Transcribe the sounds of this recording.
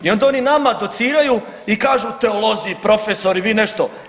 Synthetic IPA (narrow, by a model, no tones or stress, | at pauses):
io̞nd̪ao̞ninamad̪o̞t̪siːɾaju | ikaːʒut̪e̞olo̞zipɾo̞feso̞ɾiʋiːneʃt̪o̞